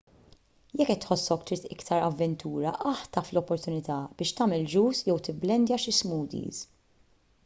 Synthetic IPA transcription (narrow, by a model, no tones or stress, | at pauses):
jɛkːɛt̪ːħɔsːɔkt̪ɾiːt̪ɪkt̪ʰɐɾɐvːɛnt̪ʰuːɾɐʔɐħt̪ɐflɔpːɔɾt̪ʊnɪt̪ɐb̥ɪːʃt̪ɐːmɛld͡ʒuːsjɛwt̪ɪbːlɛnd̪jɐʃɪsmuːd̪ḭːz